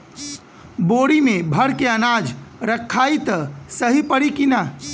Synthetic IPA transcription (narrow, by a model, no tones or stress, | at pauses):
boːɽimẽbʱəɾkeənaːd͡ʒɾəkʰːaːit̪səɦipəɽikinə